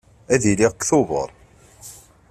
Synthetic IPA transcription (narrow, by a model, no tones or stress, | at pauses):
æðiliʁkːθʊvə̰ɾˤ